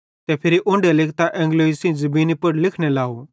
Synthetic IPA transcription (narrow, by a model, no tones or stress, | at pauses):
t̪ɛpʰɪɾiʔʊ̃ɳɖelɪkt̪aʔɛ̃ːŋɡloːisĩd͡ʒɐbiːnipɐɽlɪkʰñɛlaːo